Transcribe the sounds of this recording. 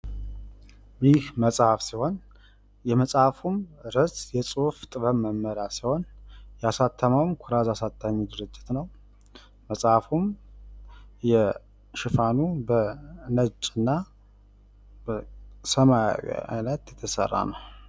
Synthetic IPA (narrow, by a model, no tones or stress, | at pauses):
jɪhməsʼhafsiho̞n | jɛməsʼafumɾəsjɛt͡sʼuft̪ʼɨβəmːəmːəɾasiho̞njɛasat̪ʰːəmawmkʰuɾazasat̪ʰːaɲːid̪ɨɾɨd͡ʒːɪt̪nəw | məsʼafum | jɛ | ʃɪfanubənət͡ʃʼɨnːa | bəsəmaj̰w̰a̰jnət̪jɛt̪ʰːəsə̰rːa̰nəw